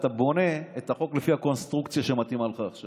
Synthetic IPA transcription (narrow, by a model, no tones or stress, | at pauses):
t̪abo̞ne̞et̪aχo̞klefihako̞nst̪ʁukt͡sjaʃemat̪imalχaːχʃa